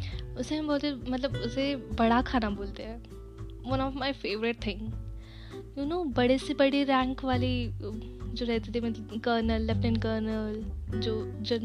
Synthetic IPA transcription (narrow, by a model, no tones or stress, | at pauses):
ʊseɦɐ̃mboːlt̪emɐt̪̬ləbʊsebɐɽakʰaːnaboːlt̪aɛ | ʋɐ̃nɔːfmaɪfeːʋɾɪʈ̚t̪ʰɪ̃ŋɡ | junoːbɐɽesebɐɽiɾɛ̃ːŋkʋaːli | d͡ʒoːɾɛɦt̪it̪ʰimɐt̪kəːɾnəlːɛfnɪ̃nkəːɾnəld͡ʒoːd͡ʒo